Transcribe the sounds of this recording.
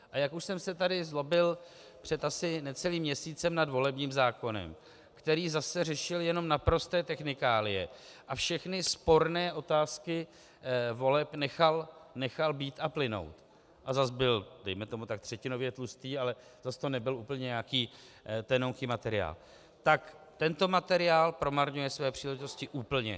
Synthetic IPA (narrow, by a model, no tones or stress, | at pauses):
ʔajakuʃsɛmsɛt̪adɪzlo̞bɪl | pr̝̥ɛt̪asɪnɛt͡sɛliːmɲɛsiːt͡sɛmnadvo̞lɛbɲiːmzaːko̞nɛ̰m | kt̪ɛɾiːzasɛrɛʃɪljɛno̞mnapɾo̞st̪ɛːt̪ɛxnɪkaːlɪjɛ̰ʔafʃɛxnɪspo̞ɾnɛːʔo̞t̪aːskɪ | vo̞lɛpnɛxalnɛxalbiːt̪aplɪno̞̰wt̪ | ʔazasbɪldɛjmɛt̪o̞mut̪ak̚t̪r̝̥ɛcɪno̞vjɛt̪lust̪iːalɛzast̪onɛbɪluːpl̩ɲɛɲakiː | t̪ɛnowŋkiːmat̪ɛɾɪa̰ːl | t̪ak | t̪ɛnt̪o̞mat̪ɛɾɪaːlpɾo̞maɾɲujɛsvɛːpr̝̥iːlɛʒɪt̪o̞scɪʔuːpl̩ɲɛ̰